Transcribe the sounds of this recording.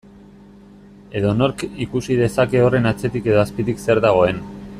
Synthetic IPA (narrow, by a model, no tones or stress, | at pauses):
e̞ðo̞no̞ɾkikusið̞e̞sake̞o̞re̞nat͡se̞t̪ike̞ðo̞aspit̪ikse̞ɾðaɣ̞o̞e̞n